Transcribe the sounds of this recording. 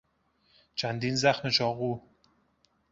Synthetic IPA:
t͡ʃʰænd̪iːnzæxmet͡ʃʰɒːɣuː

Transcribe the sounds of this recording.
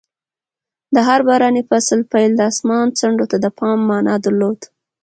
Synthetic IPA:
d̪əɦaɾbɑɾɑnefaslpajld̪əɑsmɑnt͡saɳɖot̪ad̪əpʰɑmːɑnɑd̪əɾlod̪

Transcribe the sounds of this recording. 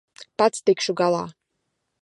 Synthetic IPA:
pat̪st̪ikʃuɡalˠa̰ː

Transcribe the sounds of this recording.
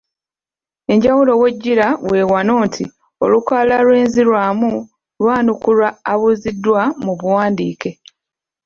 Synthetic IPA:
e̞ɲɟawulo̞we̞ɟːiɾawe̞ːwano̞ːntʰḭ | o̞̰lukwaːlalwe̞ːnzilwaːmu | lwaːnukulaːβuzidːwamuβuwaːndiːke̞

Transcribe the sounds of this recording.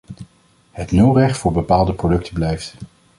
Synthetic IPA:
hətnywrɛχtfʊːɹbəpaːlˠdəprodɵk̚tʰəblɛjft

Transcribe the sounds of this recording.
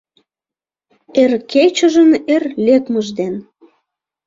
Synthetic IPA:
erket͡ɕəʒənerlʲekməʒd̪en

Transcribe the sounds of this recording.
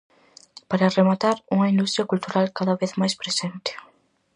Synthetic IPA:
paɾaremat̪aɾuŋɐind̪ust̪ɾjɐkult̪uɾalkaðɐβeθmajspɾesent̪ɪ̥

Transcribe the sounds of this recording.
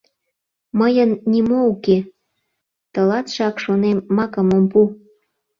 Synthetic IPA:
məjənːʲimouke | t̪ə̆lɑt̪ʃɑkʃonemːɑkəmompu

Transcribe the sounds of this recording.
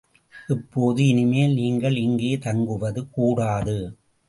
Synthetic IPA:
ʔɪpːoːðɯɪnɪmeːlniːŋɡɐɭɪŋɡeːt̪ɐŋɡɯʋɐðɯkuːɽaːðɯ

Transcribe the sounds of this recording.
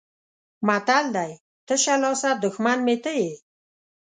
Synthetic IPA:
mat̪ald̪aj | t̪əʃalɔsad̪ʊxmanmet̪əje

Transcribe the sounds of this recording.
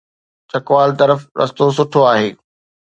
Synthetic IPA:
t͡ɕɐkʋaːlt̪ɐɾəfɾɐ̰st̪os̬ʊʈʰoaːɦeː

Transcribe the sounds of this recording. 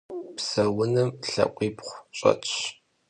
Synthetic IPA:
psɐwʊnɨmɬɐ̰qʷʼiːpχʷɕʼɐ̰t͡ʃʼɕ

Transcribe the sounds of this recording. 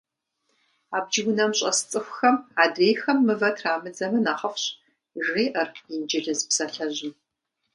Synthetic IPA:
aːb̚d͡ʒɪwʷʊnɐmɕʼɐ̰st͡sʼɨxʷxɐmaːdeːjxɐmːɨvɐtʰraːmɨd͡zɐmɨnaːχɐfɕ | ʒiːʔɐrind͡ʒɪɮɨzbsɐɬɐʑɪm

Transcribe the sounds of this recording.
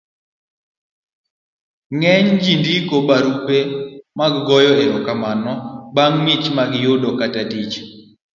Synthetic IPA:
ŋɛɲd͡ʒindikobaɾupemaɡːɔjɔeɾɔkamanɔbaŋmɪt͡ʃmaɡjʊdɔkatadit͡ʃ

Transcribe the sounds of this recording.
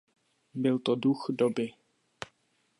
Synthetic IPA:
bɪlt̪oduxdobɪ

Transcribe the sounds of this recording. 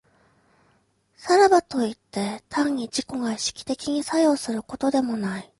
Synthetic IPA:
saɾabat̪o̞it̪ːe̞t̪ʰãɲ̟ːid͡ʑiko̞ɡaiɕi̥kʲi̥t̪e̞kʲiɲ̟isajo̞ːsɨɾɯ̟ko̞t̪o̞d̪e̞mo̞nai

